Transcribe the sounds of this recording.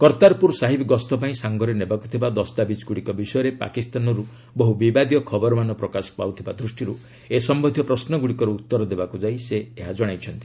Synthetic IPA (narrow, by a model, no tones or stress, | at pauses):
kɔɾt̪aɾpuɾsaɦibɡɔst̪ɔpaĩsaŋɡɔɾenebaku̥t̪ʰibad̪ɔst̪abit͡ʃɡuɽikɔbisɔjɔɾepa̰kist̪anɔɾu | bɔɦubibad̪jɔkʰɔbɔɾɔmanɔpɾɔkasɔ̥pa̰wt̪ʰibad̪ɾusʈiɾu | esɔmbɔd̪ʱjɔpɾɔsnɔɡuɽikɔɾeut̪ːɔɾɔd̪ebakud͡ʒajseeɦad͡ʒɔɽ̃ajt͡ʃʰɔnt̪i̥